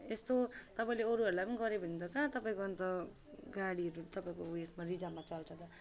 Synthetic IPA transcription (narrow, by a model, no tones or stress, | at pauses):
est̪ot̪ʌpaĩleoɾuɦʌɾulajpʌniɡʌɾebʱind̪ʌkãt̪ʌpaĩkoʌnt̪ʌ | ɡaɽiɦʌɾut̪ʌpaĩkoesmaɾid͡zamat͡sʌlt͡sʰʌd̪a